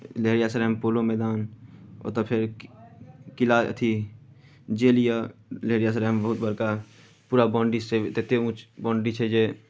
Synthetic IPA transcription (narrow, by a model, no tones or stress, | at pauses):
leɦɾijasəɾempoːlomɛːd̪aːnɔ̰ːt̪opʰɪɾ | kɪla̰t̪ʰi | d͡ʒeːlijaleɦɾijas̬əɾeɦmbəɦʊt̪bəɾka | puːɾabɔ̃ːɳɖiet̪eːt̪eũːt͡ʃbɔ̃ːɳɖit͡ʃʰed͡ʒeː